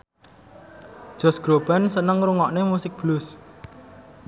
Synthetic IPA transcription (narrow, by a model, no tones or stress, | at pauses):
ʒ̥ɔ̤sɡ̥ɾob̥a̤nsənəŋɾuŋɔʔnemusɪk̚b̥lus